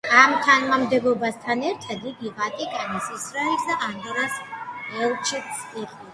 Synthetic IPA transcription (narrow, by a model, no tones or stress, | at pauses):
amt̪ʰanmamd̪ɛbɔbast̪ʰanɛɾt̪ʰad̪iɡiʁat̪ʼikʼanisisɾɔiksd̪aʔand̪ɔɾasɛlˠt͡ʃʰit̪siqʼɔ